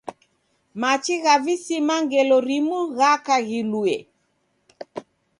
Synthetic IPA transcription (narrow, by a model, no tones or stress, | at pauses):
mat͡ʃiɣavisimaŋɡɛlɔɾimuɣakaɣiluɛ